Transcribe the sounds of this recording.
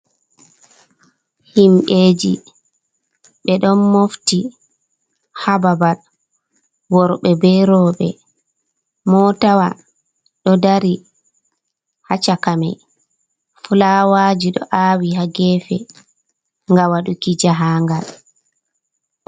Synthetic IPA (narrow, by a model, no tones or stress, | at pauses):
himɓeːd͡ʒḭ | ɓɛɗɔnːofti | hababal | wɔɾɓɛbɛɾɔːɓɛ̰ | mɔtawa | ɗɔdaɾi | hat͡ʃakamɛ̰ | fulawad͡ʒiɗɔ̰ʔaːwiɦaɡɛːfɛ | ŋɡawaɗukid͡ʒaɦaːŋɡal